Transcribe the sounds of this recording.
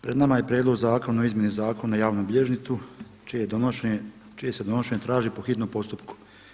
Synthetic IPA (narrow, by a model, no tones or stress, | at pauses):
pɾed̪namaje̞pɾjeːd̪lo̞ɡzaːko̞noizmjenezaːkonnajaːʋnubʎeʒnit̪su | t͡ʃied̪ooʃ | t͡ʃije̞sed̪o̞noʃe̞ɲet̪ɾaːʒipo̞xit̪nompo̞st̪upku̥